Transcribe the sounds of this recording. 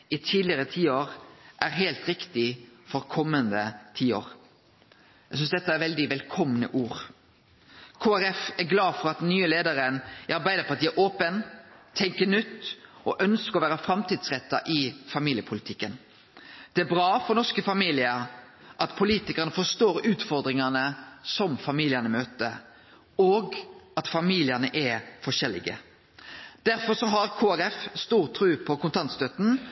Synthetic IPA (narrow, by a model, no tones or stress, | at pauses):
ɪt̪ʰiːdlɪəɾət̪ʰiːoːɾʔæɾɦæɪlt̪ɾɪkt̪ɪfɔʁkʰɔmːənd̪ət̪ʰiːo̰ːɾ | æ̰ɡsʏnsd̪ɛt̪ːəæɾʋɛld̪ɪʋɛlkʰɔmnə̰ʔuːɾ | kʰoːæɾɛfæɾɡlɑːfɔɾɑt̪̚d̪ɛnnyːəleːd̪əɾənɪɑɾbæɪd̪əpɔɑt̪iːæʔoːpənt̪ʰɛŋkənʏt̪ːɔʔœnskəɔʋæːɾəfɾɑmt̪iːd̪sʁɛt̪ːɑʔɪfɑmiːlɪəpʰʊlɪt̪ʰɪkːən | d̪̥ɛæɾbɾɑːfɔɾnɔskəfɑmiːlɪəɾ | ʔɑt̪pʰʊliːt̪ɪkəʁənəfɔst̪oːɾʉːt̪fɔɾd̪ɾɪŋɑnəsɔmfɑmiːlɪənəmøːt̪ə | oːɡɑt̪fɑmiːlɪəʁnəʔɛfɔʂɛlɪ̰ɡə̰ | d̪̥æɾfɔsɔɦɑʁkʰoːæɾɛfst̪uːʁt̪ʰɾʉːpʰɔkʊnt̪ʰɑnt̪st̪œt̪n̩